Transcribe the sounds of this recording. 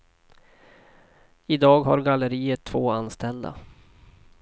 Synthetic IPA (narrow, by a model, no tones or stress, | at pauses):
ɪd̪ɑːɡɦaɾɡalːəɾiːət̪ʰːvoːanst̪ʰɛld̪a̰